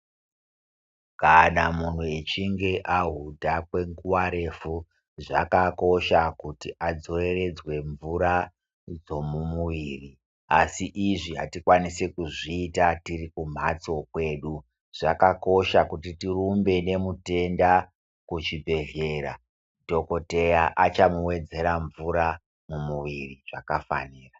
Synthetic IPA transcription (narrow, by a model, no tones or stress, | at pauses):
kanamun̤ue̞t͡ʃiŋɡe̞ʔaɦudʱakwe̞ŋɡuwaɾe̞fu | ʐa̰kako̞ʃakutiʔad͡zo̞e̞re̞d͡zwe̞ɱvuɾa | d͡zo̞mumuʋiːri | asiʔiʐiɦatikwanisekuʐiːtatirikum̤at͡so̞kwe̞ːɗu | ʐ̥akako̞ʃakutitirumbe̞ne̞mute̞nda | kut͡ʃibʱe̞ɮe̞ɾa̰ | do̞ko̞te̞jaʔat͡ʃamuwe̞d͡ze̞ɾaɱvuɾa | mumuʋiriʐ̥akafa̰niːra